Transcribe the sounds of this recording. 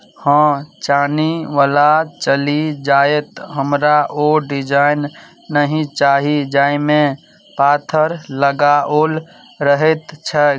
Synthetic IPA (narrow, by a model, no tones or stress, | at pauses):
hə̃t͡ʃaːniʋaːlat͡ʃəlid͡ʒaːet̪ɦəmɾaʔoɖid͡ʒaɪnː | əɦĩt͡ʃaːɦid͡ʒaːimẽ | paːt̪ʰəɾləɡaol | ɾəɦet̪t͡ʃʰɛ